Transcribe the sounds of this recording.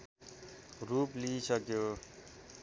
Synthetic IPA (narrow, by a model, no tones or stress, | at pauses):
ruplisʌkjo